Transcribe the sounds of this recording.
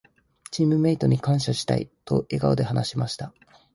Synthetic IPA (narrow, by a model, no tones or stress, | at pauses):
t͡ɕĩːmːɯ̟me̞it̪o̞ɲ̟ikãɰ̃ɕaɕi̥t̪a̰ḭt̪o̞̰ʔe̞ɡa̰od̪e̞hanaɕimaɕi̥t̪a